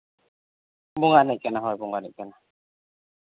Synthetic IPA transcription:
buŋanɛkɛnaɦɔjbuŋɡanɛkɛna

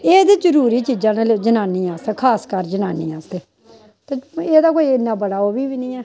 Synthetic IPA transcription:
eːd̪eːd͡ʒəɾuːɾiːt͡ʃiːd͡ʒãːneled͡ʒənaːniːaːst̪eːkʰaːskəɾd͡ʒənaːniːaːst̪eː | t̪eːeːd̪aːkoːiɪnːãːbəɽaːoːbiːʋinĩːɛː

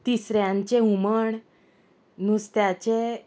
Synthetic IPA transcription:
t̪isɾjãɲt͡ɕeɦuməɳ | nust̪jat͡ɕe

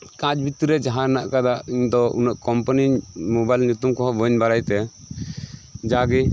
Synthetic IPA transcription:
kãd͡ʒbit̪iɾɛd͡ʒaɦaɾnaʔkad̪aʔiɲd̪ɔṵnəʔkɔmpanimɔbajlɲut̪umkɔɦɔbɔɲbaɾajt̪ɛ | d͡ʒaɡi

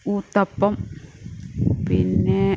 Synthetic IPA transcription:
ut̪apːɔm | pine

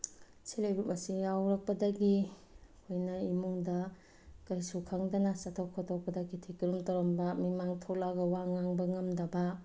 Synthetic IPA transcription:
silejbuɐsijawɾɐk̚pɐdɐɡi | kʰojnɐimuŋdɐ | kɐjsukʰɐŋdɐnɐsatʰokʰotʰok̚pɐdɐkitʰikiɾumtaɾɔmbɐmimaŋtʰok̚laɡɐwaŋaŋbɐŋɐmdɐbɐ

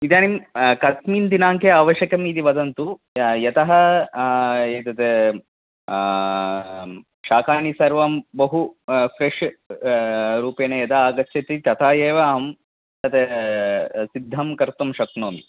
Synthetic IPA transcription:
it̪aːnimkɐt̪miːnd̪inaːŋkeaːʋɐʃjɐkɐmid̪iʋɐd̪ɐnt̪u | jɐt̪ɐɦɐ | et̪ɐt̪e | ʃaːkaːnisɐɾʋɐmbɐɦufʰɾeʂ | ɾuːpeːnejɐt̪ɐaːɡɐtʃɐt̪it̪ɐt̪ʰaːjeːʋaɦɐm | t̪ɐt̪e | sid̪ʱːɐmkɐɾt̪ɐmʃɐknoːmi

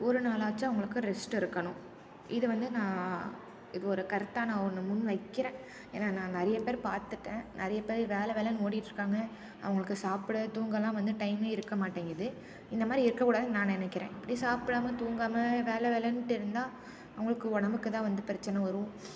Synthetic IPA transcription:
ɔɾɯnaːlaːt͡ʃːɯɐʋɐŋɡɐɭɯkːɯ̃ɾɛsʈɪɾɯkːɐɳʊ̃ | ʔɪðɯʋɐnd̪ɯnãː | ɪðɯɔɾɯkɐɾɯt̪ːaːnãːnɯmʊnʋɐɪkːɪɾẽː | ḛːnaːnãːnɪɾɐjɐpeːɾpaːɾt̪ɯʈːẽːnɪɾɐjɐpeːɾʋeːlɛʋeːlɐnoːɽɪɪʈːɾɯkːaːŋɡɐ | ɐ̰ʋɐŋɡɐɭɯkːɯsaːpɪɽɐt̪uːŋɡɐlãːʋɐnd̪ɯʈɐɪmeːɪɾɯkːɐmaːʈːeːŋɡɾɐðɯ | ɪnd̪ɐmaːd̪ɾiɪɾɯkːɐkuːɽaːðɯnãːnɛnɐkːɪɾḛ̃ːɪpːɐɽisaːpɪɽaːmɐt̪uːŋɡaːmɐʋeːlɛʋeːlɛnʈːɪɾɯnd̪ãː | ɐʋɐŋɡɐɭɯkːɯɔɽɐmbɯkːɯt̪ãːʋɐnd̪ɯpɪɾɐt͡ʃːɐnɐʋɐɾɯ̃

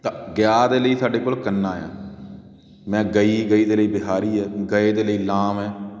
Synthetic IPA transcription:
t̪ãːɡjaːd̪eːləiːsaːɖeːkoːlkənːaːjã̰ː | mɛ̃ːɡəiːɡəiːd̪eːləiːbɪɦaːɾiːɛːɡəeːd̪eːləiːlaːmɛː

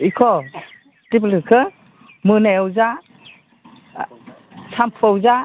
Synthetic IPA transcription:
ikʰɔ | tip̬lɯkʰɯ | mɯnajawza | sʰampʰɯawza

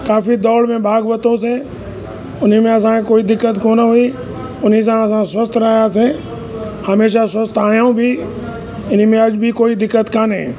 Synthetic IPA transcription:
kaːfid̪ɔːɽmẽbʱaːɡʋət̪õs̬ẽ | ʊnimẽɐs̬ãkekoːid̪ɪkːət̪koːnaɦʊiː | ʊnis̬ãɐs̬ãswəst̪ɾaːjas̬ẽː | həmeːʃ̬aswəst̪aːjaũbʱiː | ɪn̤imẽɐd͡ʒbʱikoːid̪ɪkːət̪kaːnḛ̃ː

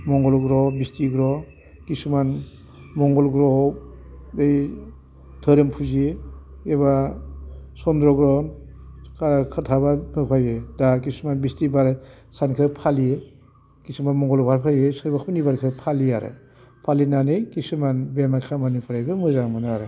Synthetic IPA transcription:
mɔŋɡɔlɡɾɔbistiɡɾɔ | kisuman | mɔŋɡɔlɡɾɔ | bej | tʰɯɾɯmpʰuzie | eba | sɔndɾɔɡɾɔn | kakʰatʰabaɯpʰajbedakisumanbistibaɾsankʰɯpʰalije | kisumanmɔŋɡɔlbʰʱaɾpʰajesɯɾbakʰpnibaɾkʰɯpʰaliaɾɯ̰ | pʰalinanɯkisumanbemakʰamanipʰaɾajbɯmɯzaŋmanaaɾɯ

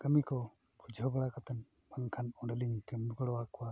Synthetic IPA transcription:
əmikɔ | bʰud͡ʒʱɔbɛɽakat̪an | maŋkʰanɔɖɛliŋkəmɡəɽɔwakɔwa

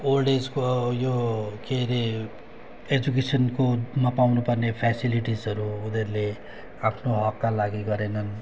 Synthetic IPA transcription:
olɖed͡zkojokeɾe | ed͡zuk̬esʌnkomapawnupʌrnepʰjasiliʈid͡zʌɾuːd̪erle | apʰnoɦʌkːalaɡiɡʌɾenʌn

